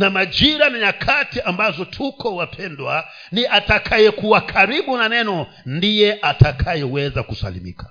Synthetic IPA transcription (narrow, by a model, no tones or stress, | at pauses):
namad͡ʒiɾanaɲakʰatiʔambazɔtʰukɔwapʰɛndwa | niʔatakʰajɛkuwakʰaɾiɓunanɛnɔ | ndijɛʔatʰakʰajɛwɛzakusa̰lḭmḭkʰḁ